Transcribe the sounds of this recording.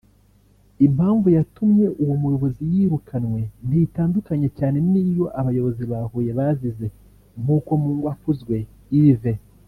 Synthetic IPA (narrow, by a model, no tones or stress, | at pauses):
imhaːɱvujatumɲe̞ʔuwomujo̞βo̞zijiːɾukʰanwe̞n̥itaːndukaɲe̞caːne̞niːjo̞ʔaβajo̞βo̞ziβahuːje̞βazize̞ | m̥uːko̞muːŋɡwakuzɡwe̞ | ive̞